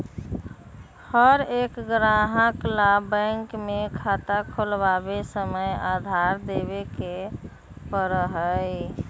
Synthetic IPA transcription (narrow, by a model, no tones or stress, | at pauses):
həɾekɡɾaɦəklabə̃ŋkmekʰat̪akʰolbabesəməjad̪ʱaɾd̪eβeke | pəɾəɦəj